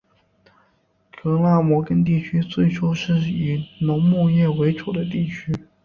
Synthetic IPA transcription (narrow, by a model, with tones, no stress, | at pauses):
kɤ˧˥la˥˩mwɔ˧˥kə˥nt̪̬i˥˩t͡ɕʰy˥t͡swe˥˩ɪʈ͡ʂʰo˥ʊʂɻ̩˥˩y˨˩nʊ˧˥ŋmu˥˧jɛ˥˩we˧˥ɪʈ͡ʂu˨˩d̪ə˦t̪̬i˥˩t͡ɕʰy˥